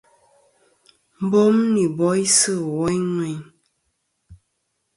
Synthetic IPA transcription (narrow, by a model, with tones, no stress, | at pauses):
m̩˦bo˦mni˨bɔ˦i˦sɨ˦˨wɔ˦jŋwɛ˨ɲ